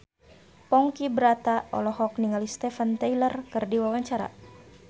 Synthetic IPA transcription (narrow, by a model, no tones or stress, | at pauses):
pɔŋkibɾat̪aɔ̰lɔhɔk̚niŋalist̪ɛfant̪ajlərkɨrdiwawaɲt͡ʃaɾa̰